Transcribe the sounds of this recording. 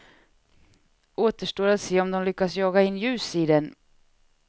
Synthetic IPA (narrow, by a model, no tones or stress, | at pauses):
ʔoːt̪əʂʈoːɾat̪seːɔmd̪ɔmlʏkːasjɑːɡaɪnːjʉ̟ːsiːd̪ɛn